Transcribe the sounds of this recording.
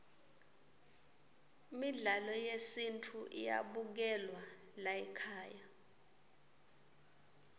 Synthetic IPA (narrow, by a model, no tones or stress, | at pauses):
miɮalɔjesintʰuʔḭja̰ɓuk̬ɛlwa | laɛkʰaːja